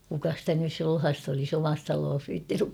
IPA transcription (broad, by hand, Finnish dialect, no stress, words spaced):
kukɑ stæ nys sulhɑst olis omɑs tɑloːs ʋiːtːinyk